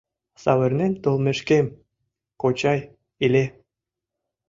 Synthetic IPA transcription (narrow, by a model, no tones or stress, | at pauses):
sɑ̰wĕrnent̪olˠmeʃkem | kot͡ɕɑj | ilʲe